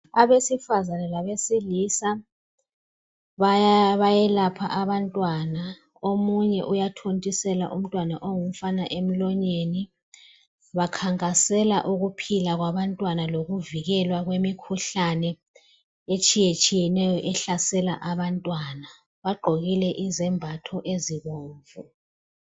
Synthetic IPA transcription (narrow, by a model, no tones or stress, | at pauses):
aβesifazanɛlaβesiliːsa | ββajɛlapʰaʔaβantʼwana | omuɲɛʔujatʰontʼisɛla̰ʔum̩tʼwanaʔoŋum̩fanaʔem̩lɔɲeni | βakʰaŋkʼasɛlaʔuɣupʰilaɣwaβantʼwanaloɣuviɣɛlwaɣwemikʰuɬanɛ | et͡ʃʼijet͡ʃʼijɛnɛjɔʔɛɬasɛlaʔaβantʼwana | βaɡ͡ǃʱoɣilɛʔizɛmbʱatʰɔʔeziɣoːɱvu